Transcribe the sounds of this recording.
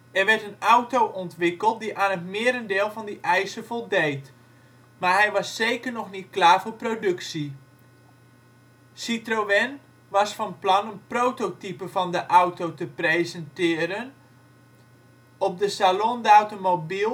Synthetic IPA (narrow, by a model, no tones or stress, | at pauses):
ʔɛrʋɛrtənawtowʔɔntʋɪkəlˠt̚diʔaːnətmɪːəɾəndɪːlˠvɑndiʔɛjsəvɔlˠdejt | maɹɦɛjʋɑsːejkərnɔxnit̚klaːvoːrprodɵksi | sitroʋɛn | ʋɑsfɔnplɑnənprowtotipəvɔndəʔawtowtəprejzəntɪːɾən | ɔp̚dəsalondawtomobilˠ